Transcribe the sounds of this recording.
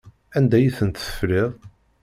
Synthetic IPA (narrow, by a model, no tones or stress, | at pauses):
ænd̪æjiθənt̪ə̥fɾɪðˤ